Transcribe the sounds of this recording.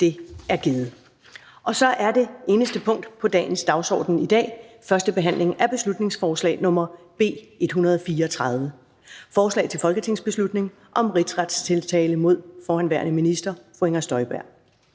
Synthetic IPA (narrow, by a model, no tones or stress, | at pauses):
d̥e̝æɐɡ̥ið̩ˠ | ʔɒ̽sɒ̽ʔæɐde̝e̝ːnəsd̥əpʰɔ̽ŋ̰d̥pʰɒ̽d̥ɛ̰ːn̩sd̥ɑ̈ʊsɒ̰ːd̥n̩id̥ɛ̰ːfɶɐsd̥əb̥e̝ɦæn̰le̝ŋæɐb̥e̝slud̥ne̝ŋsfɒːslɛ̰ːɪnɔ̽mɐ | b̥e̝̰ːe̝d̥ɦunɐð̞̩ˠɒ̽fiːɐɒt͡sʰʁɑ̈ð̞ˠʋə | fɒːslɛ̰ɪt͡sʰe̝lfɒ̽lɡ̥ət͡sʰe̝ŋsb̥e̝slud̥ne̝ŋ | ʔɒ̽mʁid̥sʁad̥st͡sʰe̝lt͡sʰɛːləmo̝ð̞̰ˠfɒːhænʋæɐ̰nəminisd̥ɐfoeŋɐsd̥ɒ̽ɪb̥æɐ̰